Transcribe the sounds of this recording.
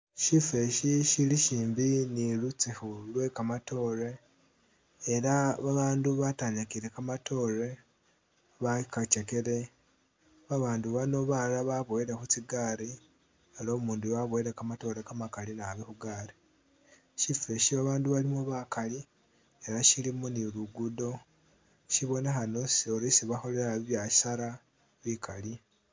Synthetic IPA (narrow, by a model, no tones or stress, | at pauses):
ʃife̞ʃiʃiliʃiːmbinilut͡sehulwe̞kamatʰo̞ːɾe̞ | ɾaβaβaːnduβataːɲakiɾe̞kamato̞ːɾe | βakaceke̞ɾe̞ | βaβaːnduβano̞βalaβaβweɾexut͡siɡaːɾi | elo̞ːmuːndujaβweɾekamato̞ɾekamakalinaβixuɡaːɾi | ʃifeʃiβaβaːnduβalimuβakali | eɾaʃilimuniluɡudo̞ | ʃiβo̞nexano̞soɾisiβaxo̞le̞ɾaβiβjai̥saɾa | βikʰali